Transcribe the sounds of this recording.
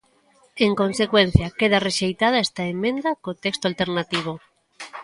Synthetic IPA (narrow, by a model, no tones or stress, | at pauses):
eŋkõnsekwen̟θjɐkeð̞areʃejt̪að̞aest̪aemːẽnd̪akot̪ekst̪oalt̪eɾnat̪iβ̞o